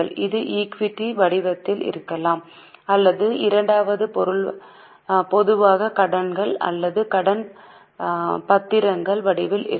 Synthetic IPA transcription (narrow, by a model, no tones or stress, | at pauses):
ɐɭɪðɯʔiːkʋɪʈːiʋɐɽɪʋɐt̪ːɪlɪ̰ɾɯkːɐlaːm | ɐlːɐðɯɪɾɐɳɖaːʋɐðɯpɔɾɯɭ | pɔðɯʋaːɣɐkɐɽɐnɡɐɭɐ̰lːɐðɯkɐɽɐn | pɐt̪ːɪɾɐŋɡɐɭʋɐɽɪʋɪlʔɪ̰ɾ